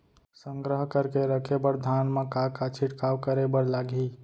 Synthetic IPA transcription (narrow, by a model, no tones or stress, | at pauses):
səŋɡɾəɦkəɾkeɾəkʰebəɾd̪ʱanmekakat͡ʃʰiʈkawkəɾebəɾlaɡʱi